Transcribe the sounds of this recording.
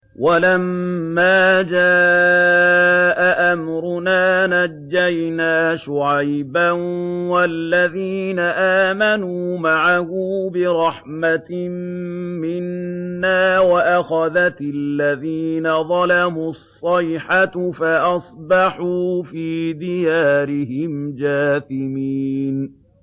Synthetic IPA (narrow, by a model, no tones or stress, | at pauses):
walamːaːd͡ʒaː | ʔaʔamɾʊnaːnad͡ʒːajnaːʃʊʕajbanwalːaðiːnaʔaːmanuːmaʕahuːbɪɾˤɑħmat̪mmɪnːaːwaʔaxaðat̪lːaðiːnaðˤɑlamusˤːɑjħatfaʔɑsˤbɑħuːfiːd̪ɪjaːɾɪɦɪmd͡ʒaːθɪmiːn